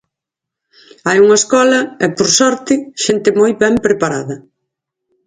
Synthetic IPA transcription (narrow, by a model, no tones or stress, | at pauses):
ajuŋɐeskɔlɐɛpoɾsɔɾt̪ɪʃent̪ɪmojβɛmpɾepaɾaðɐ